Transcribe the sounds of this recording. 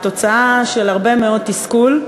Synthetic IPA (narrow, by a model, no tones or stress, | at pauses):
t̪o̞t͡saaʃelhaʁbe̞meo̞d̚t̪iskul